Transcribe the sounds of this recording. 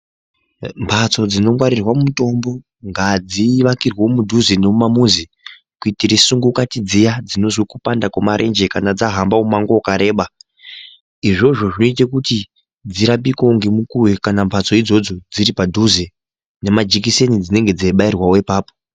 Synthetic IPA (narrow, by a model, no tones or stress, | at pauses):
mpʰat͡so̞d͡zino̞mwaɾirwamumuto̞mbo̞ | ŋɡad͡ziːʋakirwomudʱuzeneumamuzi | kuitiɾisuŋɡukatid͡zijad͡zino̞zwikupandakwamaɾʔe̞̰nd͡ʒe̞kanad͡zaɦambaumaŋɡokaɾe̞ːɓa | iʐo̞ʐo̞ʐino̞itekuti | d͡ziɾapiko̞ŋɡemukuwekanampʰat͡so̞id͡zo̞d͡zo̞d͡ziɾipadʱuze | ne̞mad͡ʒikise̞nid͡zine̞ŋɡe̞d͡zaiɓairwawoipaːpo̥